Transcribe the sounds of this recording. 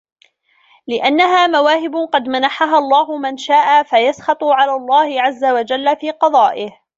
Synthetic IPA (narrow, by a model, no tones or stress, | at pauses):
lɪʔanːaɦaːmawaːhɪbʊqɑd̪manaħaɦalˤːɑːɦʊmanʃaːʔafajasxɑt̪ˤʊʕalaːlˤːɑːhɪʕazːawad͡ʒalːafiːqɑd̪ˤɑːʔɪh